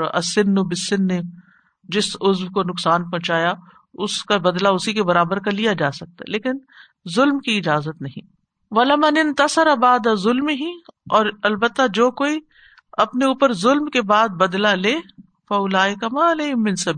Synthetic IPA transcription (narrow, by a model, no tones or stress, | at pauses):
ɐ̰sːɪnːobɪsːɪnːe | d͡ʒɪsʊzwkonʊksaːnpɔ̃ːt͡ʃaːja | ʊskabɐd̪laʊsikebɐɾaːbəɾkalijad͡ʒaːsɐk̚t̪aleːkɪn | zʊlmkiɪd͡ʒaːzət̪nɐɦḭ̃ː | ʋɐlɪmɐnɪnt̪ɐsɐɾɐbaːd̪azʊlmɦiɔːɾɐlbət̪ːad͡ʒoːkoːi | ɐpneuːpəɾzʊlmkebaːd̪̚bɐd̪laleː | fɐʊlaːɪkɐmaːleːɦɪmːɪ̃nsɐbiː